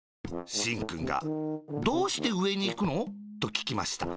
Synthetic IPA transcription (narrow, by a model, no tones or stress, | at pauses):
ɕĩŋkɯ̟̃ŋɡa̰d̪o̞ːɕi̥t̪e̞ɯ̟e̞ɲ̟iːkɯ̟no̞ːt̪o̞kʲi̥kʲima̰ɕi̥t̪a̰